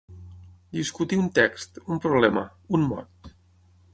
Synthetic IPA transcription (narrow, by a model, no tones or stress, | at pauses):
d̪iskut̪iunt̪ɛkst̪umpɾuβlɛmə̰ | unmɔ̰rt̪